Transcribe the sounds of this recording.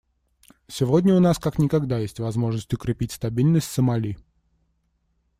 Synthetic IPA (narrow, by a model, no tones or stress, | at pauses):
sʲɪvodʲnʲəʊnaskaknʲɪkɐɡd̪ajesʲtʲvɐzmo̞ʐnəsʲtʲʊkɾʲɪpʲitʲst̪ɐbʲilʲnəsʲtʲsəmɐlʲi